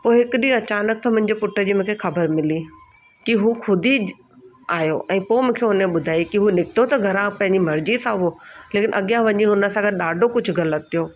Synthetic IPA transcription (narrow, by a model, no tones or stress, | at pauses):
poːɪɦɪkɪɗĩɐt͡ɕaːnək̚t̪ɐmʊ̃ɦɪ̃ɲ̆d͡ʑepʊʈːə̆d͡ʑiːmʊ̃ːkʰexɐbəɾmɪli | kiɦuːxʊd̪ʱi | aːjoʔɛ̃ːpoːmʊ̃ːkʰeːɦʊnẽɓʊd̪ʱaːikiɦuːnɪkɪ̥t̪ot̪ɐɡʱɐɾãpɐ̃ɦɪ̃ɲd͡ʑimɐɾd͡ʑisãoleːkɪnʔɐɠijãʋɐɲiɦʊnə̆sãːɡət̪̚ɗaːɖʱokʊd͡ʑʱʊɣɐlət̪ːijoː